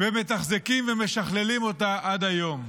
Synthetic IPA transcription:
vemet̪aχzikimveme̞ʃaχlelimo̞t̪aʔad̪ajo̞m

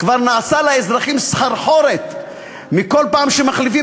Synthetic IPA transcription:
kvaʁnaːsalaezʁaχimsχaɾħo̞ɾet̪ | miko̞lpaːmʃemaχlifi

